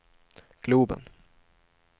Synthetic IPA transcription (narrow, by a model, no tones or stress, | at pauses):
ɡ̥luːbə̰n